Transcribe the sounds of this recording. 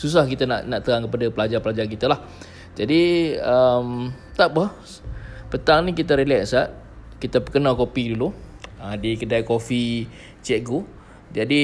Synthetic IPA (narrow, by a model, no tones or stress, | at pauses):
sus̬ahkit̪anaʔnaʔt̪əɾaŋkəpadapəlad͡ʒapəlad͡ʒark̬it̪alah | d͡ʒadiəmt̪aʔbah | pət̪aŋnĩkit̪əɾelɛksaʔ̪̚ | kit̪apəkənakopiduluadikədajkofi | t͡ʃɛʔ̚ɡu | d͡ʒadi